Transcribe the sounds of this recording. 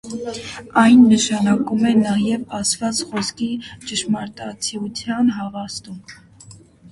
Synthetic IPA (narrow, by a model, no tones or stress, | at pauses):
ɑjnːəʃɑnɑkumɛnɑjɛvɑsvɑt͡sχɔskit͡ʃəʃmɑɾt̪ɑt͡sʰiut͡sʰjɑnɦɑvɑst̪um